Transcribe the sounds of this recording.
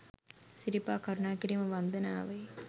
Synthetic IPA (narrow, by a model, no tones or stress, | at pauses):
sɪɾɪpːaːkɐɾʊnaːkɪɾimɐʋɐnd̪ɐnaːʋɐɪ